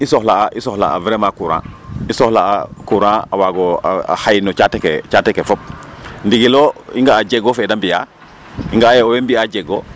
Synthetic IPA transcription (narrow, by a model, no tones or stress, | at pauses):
isohlaaʔisohla̰a̰vɾeːmakuɾã̰isohlaakuɾãːa̰waɡoa̰a̰hajinɔt͡ʃateket͡ʃatekefop̚ndiɡiloiŋɡaːɟeɡofedambija̰ | iŋɡaːjeowembiaɟeɡo